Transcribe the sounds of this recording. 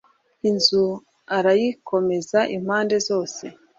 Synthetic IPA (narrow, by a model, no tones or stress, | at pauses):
inzu | aɾajikʰo̞me̞zaʔim̥haːnde̞zo̞ːse̞